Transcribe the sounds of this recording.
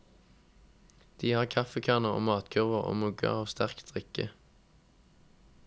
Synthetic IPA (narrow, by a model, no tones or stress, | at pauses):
d̪̥iːhɑːʁkʰɑfəkʰɑːʁnəʁo̰ːmɑːt̪ɡʰʉʁʋəʁo̰ːmʉɡə̰ʁɑːʋst̪æʁkd̪̥ʁɪkə